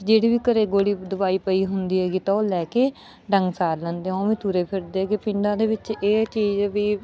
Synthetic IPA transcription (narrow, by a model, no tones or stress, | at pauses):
d͡ʒeːɽiːbiːkəɾeːɡoːɽiːd̪ʊbaːiːpəiːɦʊnd̪iːɦɛːɡiːt̪aoːlɛːkeː | ɖəŋɡsaːɾlɛ̃ːnd̪eõːʋiːt̪uːɾeːpʰɪɾd̪eːɛːɡeːpɪɳɖãːd̪eːʋɪt͡ʃeːt͡ʃiːd͡ʒbiː